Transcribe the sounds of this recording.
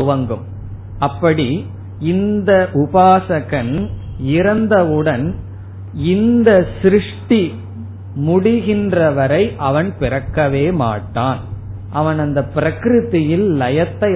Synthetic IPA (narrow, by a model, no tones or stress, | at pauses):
ʊʋɐŋɡɯm | ɐpːɐɽi | ɪnd̪ɐʔʊbaːsɐɣɐn | ɪɾɐnd̪ɐɯɽɐn | ɪnd̪ɐsɾɪʂʈi | mʊɽɪɣɪndrɐʋɐɾɐɪʔɐʋɐnpɪrɐkːɐʋeːma̰ːʈːaːn | ʔɐʋɐnɐnd̪ɐpɪɾɐkɾɯðɪjɪllɐjɐt̪ːɐɪ